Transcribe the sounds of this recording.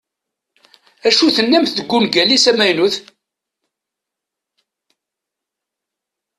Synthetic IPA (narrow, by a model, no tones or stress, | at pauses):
æʃuθənːæmθðəɡʷːʊnɡælisæmæjnuθ